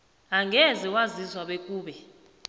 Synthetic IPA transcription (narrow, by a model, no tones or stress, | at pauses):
aŋɡʱɛzɛwazizwaɓekʼuːɓɛ